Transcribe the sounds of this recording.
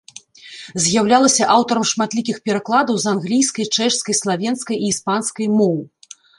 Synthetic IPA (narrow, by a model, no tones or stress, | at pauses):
zʲjawlʲalˠɐsʲɐʔawt̪ɐɾɐmʂmat̪lʲikʲixpʲɛɾaklˠad̪ɐwzanɣlʲijskɐjt͡ʂɛʂskɐjslˠavʲɛnskɐjiːspanskɐjmɔwɨ